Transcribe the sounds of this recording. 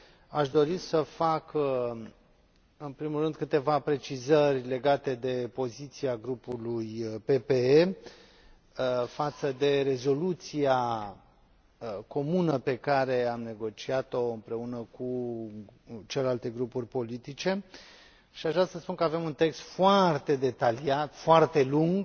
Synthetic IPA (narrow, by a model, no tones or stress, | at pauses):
aʃd̪o̞ɾisəfak | ɨnpɾimulːɨnd̪̚kɨt̪e̞vapɾe̞t͡ʃizərʲle̞ɡat̪e̞d̪e̞po̞zit̪siaɡɾupulujpe̞pee | fat̪səd̪e̞ɾe̞zo̞lut̪sia | ko̞munəpe̞kaɾe̞amne̞ɡo̞t͡ʃiat̪o̞ɨmpɾe̞unəku | t͡ʃelelalt̪e̞ɡɾupurʲpo̞lit̪it͡ʃe̞ | ʃiaʒvɾasəspunkəave̞munt̪e̞kst̪foart̪e̞d̪e̞t̪aliat̪foart̪e̞luŋɡ